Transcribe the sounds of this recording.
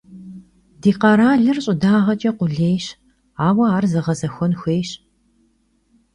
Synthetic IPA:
diːqɐɾaːɮɨrɕʼɪdaːʁɐt͡ʃʼɐqʷʊɮeːjɕ | aːwɐaːrzɐʁɐzɐxʷɔnxʷeːjɕ

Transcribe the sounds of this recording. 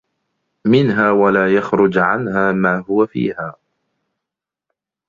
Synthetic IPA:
mɪnɦaːwalaːjaxɾʊd͡ʒʕa̰nhaːmaːɦʊwafḭːhaː

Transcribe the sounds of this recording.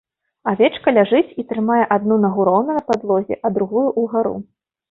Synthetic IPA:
avʲɛt͡ʂkɐlʲaʐɨt͡sʲit̪ɾɨmajɛʔad̪nunɐɣuɾɔwnɐnɐpad̪lˠɔzʲɛ̰ʔɐd̪ɾuɣujuʔuɣaɾṵ

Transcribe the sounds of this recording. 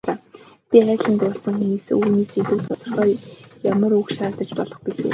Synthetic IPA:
t͡ɕaː | pʲiæːɮə̆nt̪ʊːɮsə̆ŋxemeːsɘ̰ŋuːneːseɮŭkt̪ʰʊt̪ɞ̆rχœːjamə̆rukʃaːt̪ə̆t͡ɕpɔɮɞ̆χpiɮḛː

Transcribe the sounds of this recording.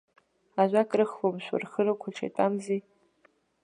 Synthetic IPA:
aʒʷakʼrɨχwomʃʷa̰rχəɾɨkʷʰaʈ͡ʂʰa̰tʼamzi

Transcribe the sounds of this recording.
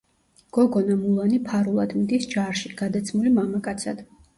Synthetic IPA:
ɡ̥ɔɡɔnamulˠanipʰaɾulˠad̪̥md̪isd͡ʒaɾʃiɡ̥ad̪at̪sʰmulimamakʼat̪sʰa̰d̪̥

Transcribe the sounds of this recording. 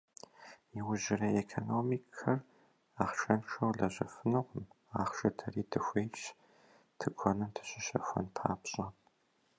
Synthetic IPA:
jiwʊʑɪrɐekʰonoːmiːkʰɐr | aːχʃɐnʂɐwɮɐɕʼɐfɨnɨʁʷʊm | aːχʃɐtʰɐriːtʰɨxʷejʃ | tʰɨɡʷʰɔnɨmtʰɨ̥ɕʼɪɕɐxʷɔ̰npʰa̰ːpɕʼɐ

